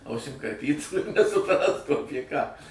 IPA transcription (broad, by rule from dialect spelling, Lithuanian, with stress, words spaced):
ˈɐʊsʲɪm kɐrʲˈpʲiːtuː ɪr nʲɛsʊˈprɑːstuː ˈɑːpʲiɛ kɑː